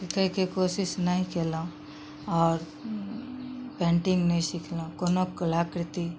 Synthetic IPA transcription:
sɪkʰekekoːsɪsnaɦĩkʰeːlã | ɔːɾ | pɛ̃ːɳʈɪ̃ŋɡnɐɦĩsɪkʰlãkoːnokɐlaːkɾɪt̪i

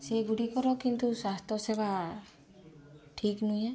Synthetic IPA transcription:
seɡuɽikɔɾɔkint̪usast̪ɔseba | ʈʰiknuiɛ

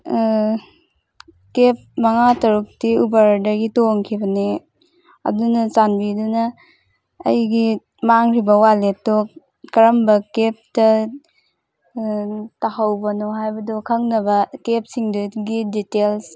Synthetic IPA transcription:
kep̚mɐŋatɐɾuk̚tiubaɾdɐɡitoŋkʰibɐni | ɐ̰dunɐt͡ʃanbidunɐ̰ː | jɡi | maŋɾibɐwaletɔk | kɐɾɐmbɐkep̚tɐ | tahawbɐnɔɦajbɐdɔkʰɐŋnɐbɐkep̚siŋduɡiditels

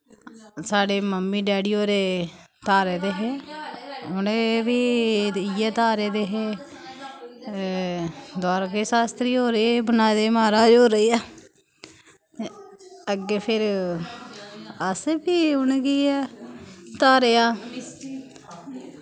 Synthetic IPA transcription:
saːɖeːməmːiːɖɛːɽiːoːɾeːt̪aːɾeːd̪eːɦeː | ʊnẽbiːɪjɛːt̪aːɾeːd̪eːɦeː | d̪ʊaːɾakeːsaːst̪ɾiːɦoːɾiːebənaːed̪eːmaːɾaːd͡ʒɦoːɾəiːɛː | eəɡeːpʰɪɾ | əsebiːʊnẽːkiɛː | t̪aːɾeːaː

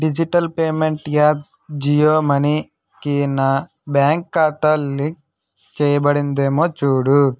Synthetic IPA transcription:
ɖid͡ʒiʈɐlpeːmeɳʈjaːb̚ | d͡ʒijoːmɐni | kinaː | bjaːŋkːaːt̪ɐlik̚ | t͡ʃɛːjɐbɐɽind̪eːmoːt͡ʃuːɽu

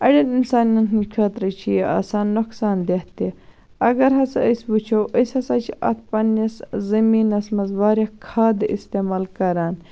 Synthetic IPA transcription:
ɐɽʲɐninsaːnːɐnkʰnikʰaːt̪ɾɐt͡ʃʰijea̰ːsaːnːuksaːnd̪eht̪i | ɐɡɐɾɦɐsɐɐsbut͡ʃʰɐwʔɐsɐsɐt͡ʃʰiɐ̰t̪̚ʰpɐnɐszɐmiːnɐsmɐzʋaːɾjɐkʰaːd̪ɨʔist̪eːmaːlkɐɾaːn

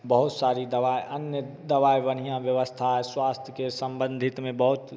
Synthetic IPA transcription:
bəɦʊt̪saːɾid̪əʋaːeʔənjə | d̪əʋaːjʋən̤ijãbjəʋəst̪ʰaɛswaːst̪ʰjəkesə̃mbə̃nd̪ʱɪt̪mẽbəɦʊt̪

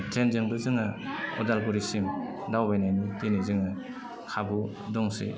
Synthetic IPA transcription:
d͡ʒenzɯŋbɯzɯŋɐɔ̰dalɡuɾisim | dawbajnajnitinizɯŋɯ | kʰabu | dɔŋsḭ

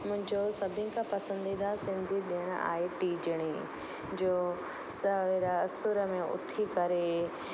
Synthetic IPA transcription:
mʊ̃ɦɪ̃ɲd͡ʑosɐbʱɪ̃kʰãpɐsə̃nd̪id̪asɪ̃nd̪ʱiɗiəɽ̃a̰ːɦeʈiːd͡ʑəɽ̃i | d͡ʑoː | sɐʋeɾaːsʊɾəmẽʊ̰t̪ʰikɐɾe

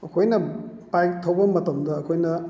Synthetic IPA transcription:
ɐkʰojnɐpajk̚tʰɐwbɐmɐtɐmdɐːkʰojnɐ

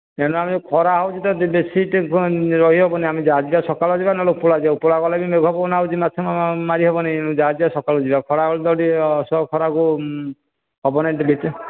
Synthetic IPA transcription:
eñuamiɔkʰɔɾaɦɔwt͡ʃit̪ɔt̪besiʈɾɔɦiɦɔbɔniamid͡ʒaɦad͡ʒibasɔkalɔd͡ʒibanɔlok̚puɭad͡ʒawpuɽakɔlabimeɡʱɔbɔnaɦot͡ʃimat̪ʰɔmmaɾiɦebɔnieud͡ʒaɦad͡ʒibasɔkalɔd͡ʒibakʰɔɾaɦɔlid̪ɔɽisɔkʰɔɾaku | ɔbɔnaʈbʱit̪

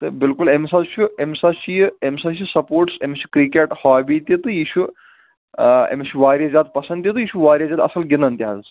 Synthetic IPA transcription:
t̪ɨbilkulemsazt͡ʃʰuemsaʃijemsaisɐpoːɾʈsemt͡ʃʰi̥kɾikeʈhɔbit̪jit̪ɨjit͡ʃʰu | ḛmt͡ʃʰuʋaːɾjazʲaːd̪̚pɐsɐnd̪jit̪ɨjiːt͡ʃʰuʋaːɾʲjazʲjaːd̪ɐsɐlɡinant̪jaːzs

